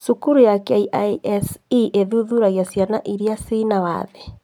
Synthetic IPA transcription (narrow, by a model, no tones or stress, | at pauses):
sukuɾujakɛiʔaɛsiʔeðuðuɾaɣjasjanaʔiɾiasinawa̰ːðɛ